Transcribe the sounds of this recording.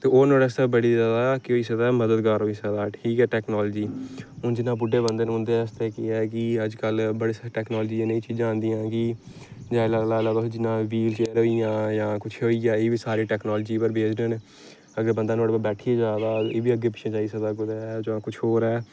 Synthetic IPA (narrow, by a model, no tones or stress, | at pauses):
t̪eːoːnoːɽɛːst̪eːbəɽiːzaːd̪aːkɪoːiːsəd̪aːməd̪əd̪ɡaːɾoːiːsaːd̪aːʈʰiːkɛːʈɛːknaːld͡ʒiːɦʊnd͡ʒɪnːãːbʊɖːeːbənd̪eːnɦʊ̃nd̪eɛːɪst̪eːkɪɛːkɪəd͡ʒkəlbəɽeːsaʈɛːknɔːld͡ʒĩːneĩːt͡ʃiːd͡ʒãːnd̪ijãːɡi | d͡ʒãːlalaːlaːbad͡ʒɪnːãːʋiːlt͡ʃeːɾoːijãːjãːkʊt͡ʃʰɦoːiːaːeːʋiːsaːɾiːʈɛːknɔːld͡ʒiːpəɾbeːd͡ʒden | əɡəɾbənd̪aːnoːɽpəbɛːʈʰiːed͡ʒaːd̪aːeːʋiːəɡːeːpɪt͡ʃʰẽːt͡ʃaːiːsəd̪aːɡʊd̪aɛd͡ʒoːãːkʊt͡ʃʰoːɾɛː